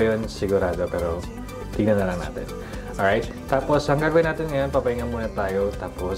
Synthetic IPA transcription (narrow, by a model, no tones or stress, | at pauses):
jonsɪɡuɾaːd̪opɛːɾo | t̪ɪɡnɐnːɐlɐŋna̰ːt̪ɪ̰n | ʔɔɹajt̪̚ːaːposhɐŋɡaɡwajnaːt̪ɪnŋɐjonpɐpɐiŋɐnmuːnɐt̪aːjot̪aːpo